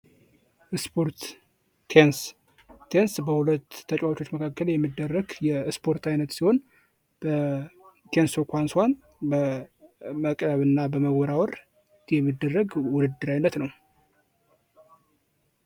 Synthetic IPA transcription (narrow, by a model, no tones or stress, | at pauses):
ʔɨspʰoɾt̪ʰ | ens | ensbəhulət̪ʰːət͡ʃʼwawt͡ʃo̞t͡ʃːməkʰakːəljɛmːid̪ːərːəɡjɛspʰo̞ɾt̪ajnət̪siho̞n | b̥ə | t̪ʰensokʷanswan | bə | məkʼɾəβɨnːabəməɡɔɾawɔɾ | jɛmːid̪ːərːəɡwʊdɨd̪ːɨɾajnːət̪nəw